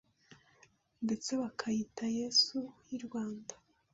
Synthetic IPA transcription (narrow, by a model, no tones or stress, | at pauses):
nde̞t͡se̞βakʰajitaje̞sujiɾɡwaːnda